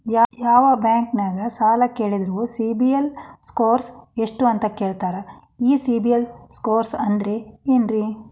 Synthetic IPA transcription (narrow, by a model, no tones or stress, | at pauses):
jajaːʋɐbjaːŋknaːɡɐsaːlɐkeːɭid̪ɐɾuusibijelskoːɾseʂʈuɐnt̪ɐkeːɭt̪aːɾɐ | iːsibijelskoːɾsɐnd̪ɐɾe̞eːnɾi